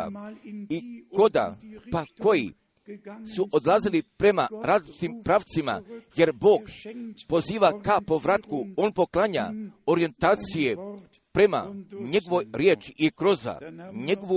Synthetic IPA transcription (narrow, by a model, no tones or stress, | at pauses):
a̰iko̞d̪a̰pako̞jḭ | suʔod̪lˠazilipɾe̞maɾazlit͡ʃt̪impɾaʋt̪sima̰je̞ɾbo̞ːɡpo̞ziːʋakapo̞ʋɾat̪kuo̞npo̞klˠaɲa̰o̞ɾije̞nt̪aːt̪sije | pɾe̞ma̰ɲe̞ɡoʋojɾjeːt͡ʃiʔːkɾo̞za̰ɲeɡoʋu